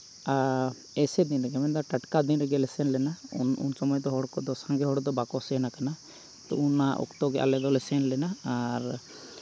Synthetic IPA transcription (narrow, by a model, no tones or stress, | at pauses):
a | ɛsɛd̪inɾɛɡɛmɛnd̪aʈəʈkad̪inɾɛɡɛlɛsɛnlɛnaunṵnsɔmɔjɔt̪ɔɦɔɽkɔd̪ɔsãŋɡɛɦɔɽd̪ɔbakɔsɛnakana | t̪ɔ̰unːaʔɔ̰kt̪ɔɡɛʔa̰lɛd̪ɔlɛsɛnlɛnaːɾ